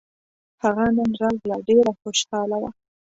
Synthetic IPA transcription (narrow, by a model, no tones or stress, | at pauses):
haɣananɾalɡlɑɖeɾaxoʃɑlawa